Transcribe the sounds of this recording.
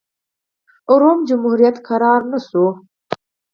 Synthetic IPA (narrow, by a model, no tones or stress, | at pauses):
ʊɾoːmd͡ʒumhuɾijat̪kaɾɑːɾnəsu